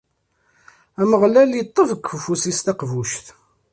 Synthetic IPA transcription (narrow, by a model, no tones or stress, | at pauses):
æməʁlælit̪ˤːəvəkːfəfusist̪ɑqvuʃθ